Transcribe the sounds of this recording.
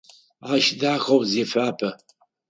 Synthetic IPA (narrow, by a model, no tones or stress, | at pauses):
aʃdaːxowzefaːpʰɐ